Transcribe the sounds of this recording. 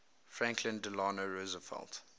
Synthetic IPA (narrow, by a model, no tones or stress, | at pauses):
fɹæ̃ŋkʰlə̃ndəlaːnoɹozəfɛ̰lˠt